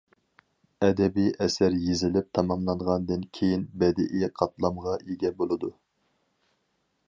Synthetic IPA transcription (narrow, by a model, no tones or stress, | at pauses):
ɛd̪ɛbijʔɛsæɾjezɪlɪp̚t̪ʰɑmɑmlˠɑnʁɑnd̪ɨnkʲʰejinbɛd̪ɪ̰ʔɪɛqʰɑt̪lˠɑmʁɑʔeɡʲɛbolˠɨd̪u